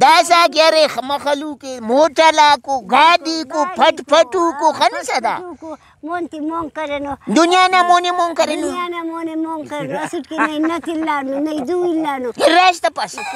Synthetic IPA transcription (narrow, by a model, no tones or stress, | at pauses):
d̪as̬aɡaɾexɐmɐxɐlukemoʈɐlakoɡaːdikopʰɐʈpɐʈukoxɐnusɐd̪a̰ko | mont̪imoŋkɐɾenod̪unijanamonemoŋkɐɾenuanamonemoŋkɐɾenɐsuʈkinɐinɐt̪ilːaːnunɐid̪uilːanuiɾaʃ̬t̪ɐpɐs